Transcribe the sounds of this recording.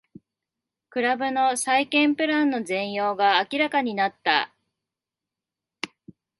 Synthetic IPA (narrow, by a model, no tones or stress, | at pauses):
kɯ̟ɾabɯ̟no̞saikẽ̞mpɯ̟ɾãnːo̞zẽ̞ɰ̃jo̞ːɡaːkʲiɾakaɲ̟inat̪ːa̰